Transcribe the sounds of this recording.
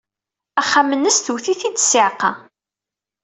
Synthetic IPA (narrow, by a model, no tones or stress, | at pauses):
æχːamːənːəsθuθiθit͡s̪ːsɪʕqɑ